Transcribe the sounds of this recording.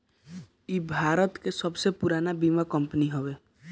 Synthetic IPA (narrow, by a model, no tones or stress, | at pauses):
ibʱaːɾət̪kesəbsepuɾaːnabimakəmpəniɦɔʋe